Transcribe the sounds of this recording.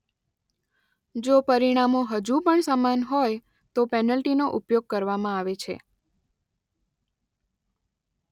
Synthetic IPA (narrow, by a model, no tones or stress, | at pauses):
d͡ʒopəɾiɽ̃amoɦəd͡ʒupəɳsamanɦoj | t̪opɛnəlʈinoʔupjoɡ̚kəɾʋamãaʋet͡ʃʰḛ